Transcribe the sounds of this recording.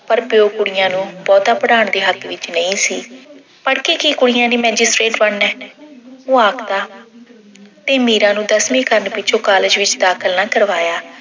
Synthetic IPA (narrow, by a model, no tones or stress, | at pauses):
pəɾpjoːkʊɽɪjãːnũːbɔːt̪aːpəɽaːɳd̪eːɦəkʋɪt͡ʃnəĩːsiː | pəɽkiːkiːkʊɽɪjãːd̪iːmɛːd͡ʒɪsʈɾeːʈbəɳnɛː | oːaːkʰd̪aː | t̪eːmiːɾãːnũːd̪əsmĩːkəɾənpɪt͡ʃʰõːkaːləːd͡ʒʋɪt͡ʃd̪aːkʰəlnaːkəɾʋaːjaː